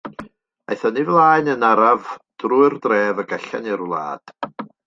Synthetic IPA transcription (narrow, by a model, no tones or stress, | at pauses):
ajθɔnivlˠaːɨnənaɾavd̥ruɨrdrɛːvəɡɛɬa̰nirlˠa̰ːd̥